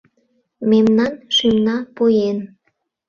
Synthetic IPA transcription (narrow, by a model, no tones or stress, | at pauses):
memnɑnʃymnɑpojen